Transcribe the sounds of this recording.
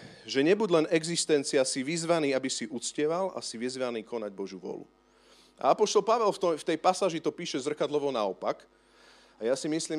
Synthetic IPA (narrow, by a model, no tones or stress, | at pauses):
ʒɛɲɛbuɟlɛnɛɡzist̪ɛnt͡siasiʋizʋaniːabisiʔut͡scɪɛʋala̰siʋizʋaniːkɔnaɟ̚bɔʒuʋʊɔ̰lṵ | ʔa̰apɔʃt̪ɔlpaʋɛlft̪ɔft̪ɛjpasaːʒit̪ɔpiːʃɛzr̩kad̪lɔʋɔnaɔpak | ajasimisliːm